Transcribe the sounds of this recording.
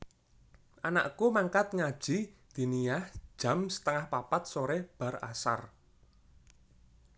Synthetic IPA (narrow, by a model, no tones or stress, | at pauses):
ʔana̰ʔkumaŋkat̪̚ŋad̥ʒ̥i̤d̪̥i̤nijahʒ̥ä̤msə̥t̪əŋahpapat̪̚soɾeb̥ä̤ra̰sa̰r